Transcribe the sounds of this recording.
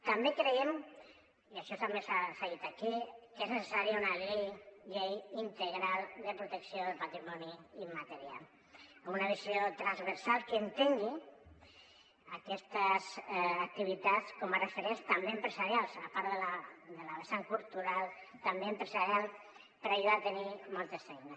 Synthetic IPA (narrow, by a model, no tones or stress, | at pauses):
t̪ambekɾeem | iaʃɔst̪ambesafajit̪akikeznəsesaɾiaunaʎejʎejint̪əɣɾalˠd̪əpɾut̪əksioðəpat̪ɾimɔniːmat̪əɾia̰l | omunaβiziot̪ɾanzβəɾsalˠkənt̪eŋɡi | akɛst̪əzːk̚t̪iβ̞it̪askɔmarefeɾenst̪ambeempɾəzaɾjalˠsapaɾðəlad̪əlaβesaŋkulˠt̪uɾalˠt̪ambeempɾəzaɾialˠ | pəɾaʒuðat̪ənimɔlˠt̪əsfɛjne